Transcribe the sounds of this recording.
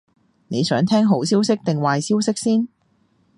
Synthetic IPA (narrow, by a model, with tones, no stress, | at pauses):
ne˨˧jsœː˨˥ŋt̪ʰɛː˥ŋɦo˨˥wsiː˥wsɪ˥k̚t̪ɪ˨˩ŋwaː˨jsiː˥wsɪ˥k̚siː˥n